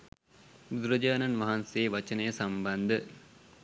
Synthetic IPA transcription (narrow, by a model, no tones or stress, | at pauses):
d̪uɾɐd͡ʒaːnɐnʋɐɦanseeʋɐt͡ʃɐnɐjɐsɐmbɐnd̪ə